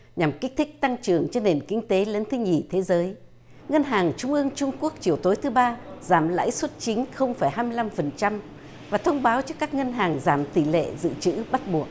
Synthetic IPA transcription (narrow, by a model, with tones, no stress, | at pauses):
ɲa˨˩mki˦˥k̚t̪ʰï˦˥k̚t̪a˧ŋt͡ɕɨ˨˩əŋt͡ɕɔ˧ne˨˩nkï˧ŋ̟t̪e˨˦leə˨˦nt̪ʰɨ˨˦ɲi˨˩t̪ʰe˨˦zəː˨˦j | ŋə˧nɦaː˨˩ŋt͡ɕʊ˧ŋ͡mʔɨ˧əŋt͡ɕʊ˧ŋ͡mku˦˥ək̚t͡ɕi˨˩əwt̪o˨˦jt̪ʰɨ˨˦ɓaː˧zaː˧˩mla̰ː˧˥jswə˦˥t̚t͡ɕï˨˦ŋ̟xə˧wŋ͡mfaː˧˩jɦaː˧jmɨ˧əjla˧mfə˨˩nt͡ɕa˧m | vaː˨˩t̪ʰə˧wŋ͡mɓaː˨˦wt͡ɕɔ˧kaː˦˥k̚ŋə˧nɦaː˨˩ŋzaː˧˩mt̪i˧˩lḛ˧˨zɨ̰˧˨t͡ɕɨ̰˧˥ɓa˦˥t̚ɓu˨˩ək̚